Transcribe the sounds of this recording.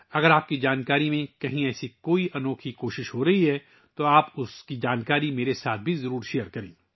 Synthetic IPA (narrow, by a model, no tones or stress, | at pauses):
ɐɡəɾaːp̚kid͡ʒaːnkaːɾimẽkɐɦĩɛːsikoːiʔɐnɔːkʰikoːʃɪʃɦoɾɐɦiɦɛ | t̪oaːpʊskid͡ʒaːnkaːɾimeːɾesaːt̪̚ʰbʱizɐɾuːɾʃeːəɾkɐɾḛ̃ː